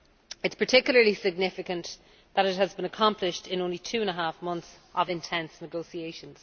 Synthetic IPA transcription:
ɪtspʰə˞tʰɪkjl̩ˠə˞lisɪɡ̚nɪfɪkə̃n | ðəɾɪt̚həzbɪ̃nəkʰɑ̃mpʰlɪʃtɪ̃nõʊ̃nlitʰʉːə̃nəɦafmʌ̃nθs | ʔəvɪ̃ntʰɛ̃nsnəɡoʊsieɪʃə̃nz̥

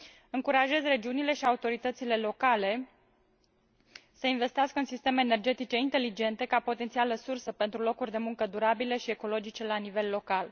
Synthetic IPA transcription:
ɨŋkuɾaʒe̞zre̞d͡ʒiunile̞ʃiaut̪o̞ɾit̪ət̪sile̞lo̞kale̞ | səinve̞st̪iaskəɨnsist̪e̞me̞ːne̞rd͡ʒe̞t̪it͡ʃe̞int̪e̞lid͡ʒe̞nt̪e̞kapo̞t̪e̞nt̪sialəsursəpent̪ɾulo̞kurʲd̪e̞muŋkəd̪uɾabile̞ʃieko̞lo̞d͡ʒit͡ʃe̞lanive̞lːo̞kal

